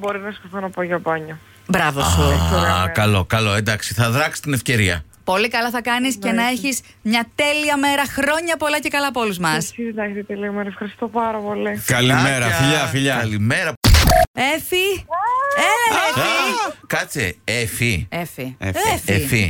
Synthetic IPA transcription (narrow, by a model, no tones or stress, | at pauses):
bo̞ɾinɐskoθonɐpoʝɐpɐɲo | bɾɐvosukɐlo̞kɐlo̞end̪ɐksiθɐðɾɐksi̥st̪inefce̞ɾiɐ̰ | po̞likɐlɐθɐkɐnisce̞nɐe̞çis | mɲɐt̪e̞liɐme̞ɾɐxɾo̞ɲɐpo̞lɐcekɐlɐpo̞luzmɐssilɐçsit̪eliɐmeɾɐefxɐɾist̪opɐɾɐpo̞likɐlimeɾɐfiʎɐfiʎɐlimeɾɐ | efi | e | kɐt͡seefiefiefefi